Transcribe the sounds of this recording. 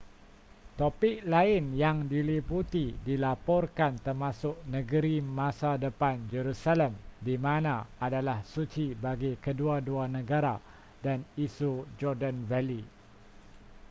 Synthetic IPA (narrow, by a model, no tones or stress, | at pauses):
t̪opɪk̚laɪnjaŋdiliput̪idilapɔrkant̪ərmãsʊk̚nə̃ɡəɾimãsadəpand͡ʒəɾusaləmdimãnãadalahsut͡ʃibaɡikəduaduanə̃ɡaɾa | danisud͡ʒɔrdanvɛli